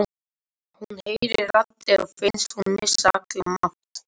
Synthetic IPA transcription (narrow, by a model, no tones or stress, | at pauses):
hunheːjɾɪɾat̪lɛafɪnst̪hunmɪsaklamaht̪